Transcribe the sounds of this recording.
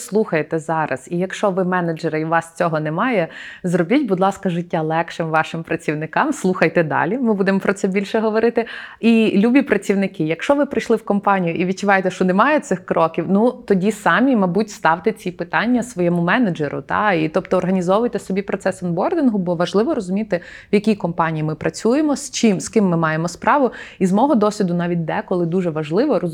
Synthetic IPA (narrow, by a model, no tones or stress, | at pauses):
slˠuxɐjet̪ɛzɑɾɐ̰z̥ijɐkʃt͡ʃɔʋɪmɛnɐd͡ʒɛɾɐiʋɑst͡sʲɔɦɔnɛmɑjɛzrɔbʲitʲbʊd̪lˠɑskɐʒɪtʲːalˠɛkʃɪmʋɑʃɪmpɾɐt͡sʲiwnɪkɑmslˠuxɐjt̪ɛd̪ɑ̰lʲimɪbud̪emɔpɾɔt̪sɛbʲilʲʃɛɦɔʋɔɾɪt̪ɪilʲubʲipɾɐt͡sʲiwnɪkɪjɐkʃt͡ʃɔʋɪpɾɪjʃlˠɪwkɔmpɑnʲijʊʔiʋʲid̚t͡ʃʊʋɑjet̪ɛʃt͡ʃɔnɛmɑjɛt̪sɪxkɾɔkʲiwnut̪ɔdʲisɑmʲimɐbutʲst̪ɑwt̪ɪt͡sʲipɪt̪ɑnʲːɐsʋɔjɛmʊmɛned͡ʒeɾʊ̰t̪ɑ̰it̪ɔp̚t̪ɔːrɦɐnʲizɔʋʊjt̪ɛsɔbʲipɾɔt̪sɛsɐnbɔrd̪ʲinɦʊbɔʋɐʒlˠɪʋɔɾɔzʊmʲit̪ɪwjɐkʲijkɔmpɑnʲijimɪpɾɐt͡sʲujemɔst͡ʃimskɪmːɪmɑjemɔspɾɑʋʊizmɔɦɔd̪ɔsʲʋʲid̪ʊnɑʋʲit̚ʲd̪ɛkɔlˠɪd̪uʒɛʋɐʒlˠɪʋɔɔ